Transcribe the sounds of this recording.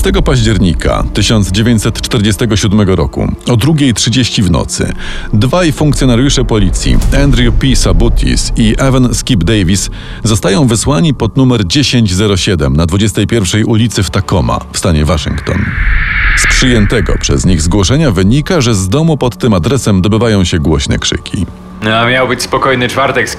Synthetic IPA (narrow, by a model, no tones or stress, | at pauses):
st̪ɛɡɔpaʑd͡ʑɛɾɲikʰa̰t̪ɘɕɔnd̪zd͡ʑevʲjeɲt͡ɕʲsɛt̪t͡ʂt̪ɛɾd͡ʑest̪ɛɡɔɕud̪mɛɡɔɾɔ̰kṵɔd̪ɾuɡʲejtʂɘd͡ʑeɕt͡ɕivnɔ̰t̪sɘ̰ | d̪vajfuŋk̚t̪ʲjɔnaɾjuʂɛpɔlʲit̪sʲjḭɛnd̪ɾjupʲisabut̪ʰʲḭsiʔɛvɛnskʲibd̪ɛjvʲis | zɔst̪ajɔ̃w̃vɘswaɲipɔd̪numɛɾd͡ʑeɕeɲd͡ʑzɛɾɔɕɛd̪ɛmnad̪vud͡ʑɛst̪ɛjpʲjɛɾfʂɛjʔulʲit̪sɘft̪akɔma̰fst̪aɲɛvaʂɨ̰ŋkt̪ɔ̰n | spʂɘjɛnt̪ɛɡɔ̰pʂɛ̰zɲiɣzɡwɔʂɛɲavɘɲikaʐɛzd̪ɔmupɔt̪ːɘmad̪ɾɛsɛmd̪ɔbɘvajɔ̃w̃ɕɛɡwɔɕnɛ̰kʂɘ̰kʲʰḭ | amʲjawbɘt͡ɕspɔkɔjnɘt͡ʂfaɾt̪ɛks